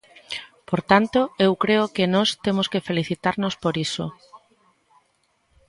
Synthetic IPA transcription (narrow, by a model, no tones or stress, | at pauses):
poɾt̪ant̪oewkɾeʊkɪnɔst̪emoskefeliθit̪aɾnospoɾiso̰